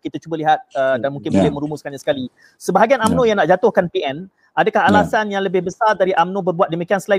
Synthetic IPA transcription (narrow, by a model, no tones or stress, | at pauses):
kit̪at͡ʃubəliɦat̪̚ədanmuŋkɪnbolɛmə̃ɾumʊskanɲasə̥kali | səbaɦaɡianamnõjãŋnaʔd͡ʒat̪ʊhkanpiɛn | adəkahalasanjaŋləbɪhbəsardaɾiʔamnõbərbuwat̪̚dəmikiansəla